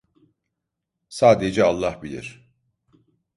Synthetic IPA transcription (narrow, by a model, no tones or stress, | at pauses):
saːd̪ed͡ʒɛalˠːahbilʲḭɾ̥